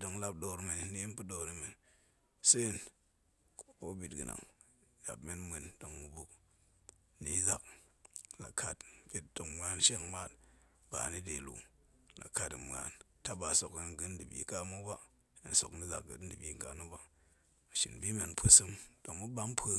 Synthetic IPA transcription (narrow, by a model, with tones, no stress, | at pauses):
do˨ŋla˦p̚do˨ɾme˨n˨ni˦i˦npɨ˦do˨ni˨˦me˨n | se˦˨n | kko˦bi˨tɡɨ̰˨na̰˨ŋ | ja̰˨bme˦nmʷe˨nd̥o˨ŋmu˨bu˨k̚ | ni˨˦za˨k̚ | la̰˨kʰa˨tpe˦t̚do˨ŋmʷ˨a˦nʃe˦ŋma˦t̚ | b̥a̰˨ni˦de˨lṵ˨ | la̰˨kʰa˨ti˨m˨a̰˨n | ta˦ba˨so˨ki˨nɡɨ˦ndi˨bḭ˨ka˦mu˦ba˦ | ḭ˨n˨so˨kni˦za̰˨k̚ɡɨ̰˨˦dɨ˨bi˨ka˨nu˦ba˦˨ | ʃḭ˨nbi˦me˨npʰə˦sɨ˦md̥o˨ŋmu˦ba˦mpʰə˦